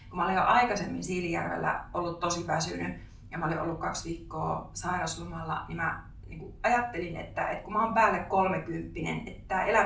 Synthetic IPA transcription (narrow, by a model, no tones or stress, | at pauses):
kumæolijoʔɑikɑsemːinsiːlːjæ̰rʋḛlːæ̰ʔolːut̪t̪osiʋæsyny | jɑmæoliʔo̰lːukkɑksʋiːkːo̰ːsɑirɑslumɑlːɑ̰nimæ | niːŋkuɑjɑt̪ːelinḛt̪ːæḛt̪kumæompæːlːekkolmekympːinḛnet̪t̪ːæːʔelæ